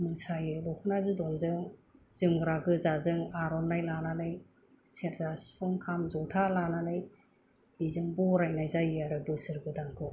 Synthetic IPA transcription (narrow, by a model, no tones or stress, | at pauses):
mɯsajɯlɔkʰɯnajbɯzdɔnzɯŋz̥ɯŋɾaɡɯzazɯŋaɾɔnːajlananɯj | seɾzaspʰɯŋkʰamzɔtʰalananɯj | b̥izɯŋbɔɾajnajzajaɾɯbɯsɯɾɡɯdaŋkʰɔ